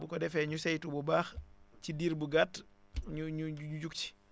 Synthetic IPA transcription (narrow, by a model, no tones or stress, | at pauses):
bukɔdɛfɛɲusɛjtububaːxcidiːɾbuɡaːt | ɲuɲuuuɟuk̚t͡ʃi̥